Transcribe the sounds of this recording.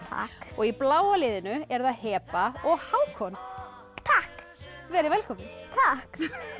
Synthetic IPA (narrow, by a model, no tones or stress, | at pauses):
t̪ʰa̰kɔɣiplaːwalɪːðɪnʏɛɾðaðhɛːpaɔɣhaːwkʰɔn | t̪ʰahk | vɛːɾɪvɛlkʰɔmnɪt̪ʰak